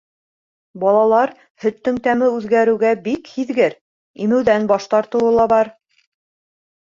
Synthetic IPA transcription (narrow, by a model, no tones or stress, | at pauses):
bɑlˠɑlˠɑɾ | hɵ̆t̪ːɘŋt̪æmɘʉðɡæɾɘ̆wɡæbikhiðɡɘɾ | imɘ̆wðænbɑʃt̪ɑɾt̪ɤ̆wɤ̆lˠɑbɑɾ